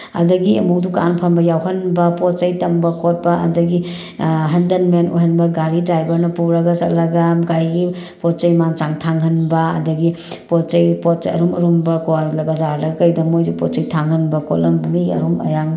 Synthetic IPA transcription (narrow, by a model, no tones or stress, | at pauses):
ɐ̰dɐɡiɐmuk̚duka̰npʰɐmbɐjawɦɐnbɐpot̚t͡ʃɐjtɐmbɐkot̚bɐʔɐ̰dɐɡi | ɦɐndɐnmeno̰jɦɐnbɐɡaɾidɾajbɐɾnɐpuɾɐɡɐsɐtlɐɡɐɡaɾiɡi | pot̚t͡ʃɐjmant͡ʃaŋtʰaŋɦɐnbɐɐ̰dɐɡi | pot̚t͡ʃɐjpot̚t͡ʃɐ̰ɾumɐɾumbɐkolbɐzaɾɾdɐkɐjdɐmojzupɔt̚t͡ʃɐjtʰaŋhɐnbɐkolɐmbmiɡɐ̰ɾumɐ̰jaŋ